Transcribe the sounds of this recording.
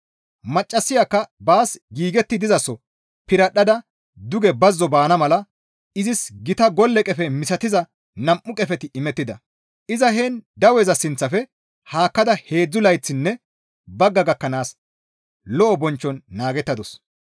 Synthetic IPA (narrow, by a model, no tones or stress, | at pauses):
mɐt͡ʃʼːɐsːɪjakːɐbaːsɡiːɡɛt̪ːɪd̪ɪzɐsːɔ | pɪɾɐɗːɐd̪ɐ | d̪ʊɡɛbɐzːɔbaːnɐmɐlɐ | ɪzɪsɡɪt̪ɐɡɔlːɛkʼɛfɛmɪsɐt̪ɪzɐ | nɐmʔːʊkʼɛfɛt̪ɪɪmɛt̪ːɪd̪ɐ | ʔɪzɐɦeːnd̪ɐwɛzɐsɪnt͡sːɐfɛ | haːkːɐd̪ɐhe̞ːd͡zːʊlɐjt͡sːɪnːɛ | bɐɡːɐɡɐkːɐnaːs | lɔʔɔbɔnt͡ʃːɔnːaːɡɛt̪ːɐd̪ɔs